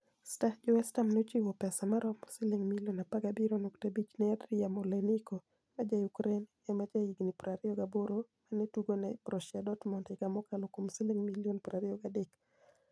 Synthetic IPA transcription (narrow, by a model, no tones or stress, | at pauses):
stahd͡ʒɔwɛstamnot͡ʃiwɔpɛsamaɾɔmsɪlɪŋmiljonapaɡabiɾonoktebit͡ʃnɛadɾiamoleniko | mad͡ʒajukɾen | ɛmad͡ʒaiɡnipɾaɾioɡaboɾomanetuɡonɛpɾɔʃjadɔtmɔntɪkamɔkalokomsiliŋmiljonpɾaɾioɡadɪk